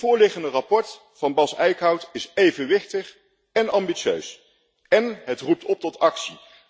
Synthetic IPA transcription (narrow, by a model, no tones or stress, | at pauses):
vʊːɹlɪχəndərɑpɔɹt | fɑnbɑsɛjkɦɑwtɪsejvənʋɪχtəχ | ɛnɑmbiʃø̰ɥs | ɛnɦətrup̚tɔp̚tɔtɑksi